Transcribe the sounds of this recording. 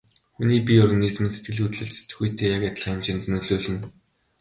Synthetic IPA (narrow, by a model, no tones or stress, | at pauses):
xuniːpʲiɔrɣaniːzmĭnse̥t̪̚ɡɘ̆ɮxut̪ɮɵ̆ɮt͡ɕse̥t̪ɘ̆xujt̪ʰeːjakjat̪əɮ̥χ̆emt͡ɕɪ̆nt̪nɵɮoːɮɘ̆n